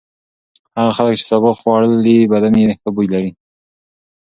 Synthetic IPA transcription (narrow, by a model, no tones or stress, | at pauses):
haɣaxalək̚t͡ʃe̥sabɑqχwɑɽəlibad̪aneɪk̪abujlaɾi